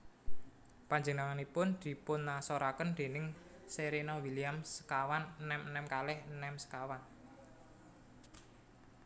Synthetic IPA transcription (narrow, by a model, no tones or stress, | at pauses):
paɲd͡ʒənaŋanipʊnd̪̥i̤pʊnːasoɾakənd̪̥e̤nɪŋ | seɾenɔwiliamsə̥kawanːɛmnɛmkalɛhnɛmsə̥kawan